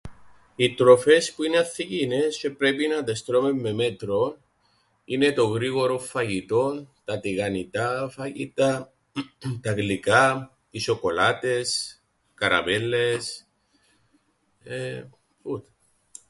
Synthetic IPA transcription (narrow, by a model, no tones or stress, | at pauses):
it̪ɾo̞fe̞spuineɐθːicine̞sce̞pɾepinɐd̪est̪ɾomemːe̞me̞t̪ɾo̞n | ine̞t̪o̞ɣɾiɣoɾo̞fɐʝit̪o̞nt̪ɐt̪iɣɐnit̪ɐfɐʝit̪ɐ | t̪ɐɣlikɐ | iso̞ko̞lɐt̪e̞s | kɐɾɐ̰melːe̞s | e | put̪e̥